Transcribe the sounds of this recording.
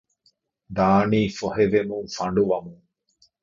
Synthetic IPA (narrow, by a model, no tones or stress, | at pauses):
d̪aːniːfoɦeʋemũŋfaɳɖuʋamũŋ